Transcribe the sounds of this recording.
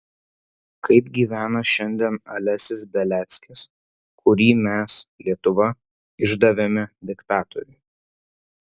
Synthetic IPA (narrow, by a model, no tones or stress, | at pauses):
kʰɐɪpɡʲiːʋʲæːnɐʃʲɛnʲd̪ʲɛnɐlʲæsʲɪsbʲɛlʲæːt̪sʲkʲɪs | kʰʊɾʲiːmʲɛslʲiɛt̪ʊʋɐ | ɪʒd̪ɐʋʲɛmʲɛd̪ʲɪkt̪ɑːt̪ɔ̰ɾʲɛ